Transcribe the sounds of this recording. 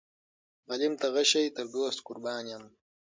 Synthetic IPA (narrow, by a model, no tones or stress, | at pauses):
ɣɐlimt̪ɐɣɐʃɐjt̪ɐɾd̪oːst̪kʊɾbaːnjam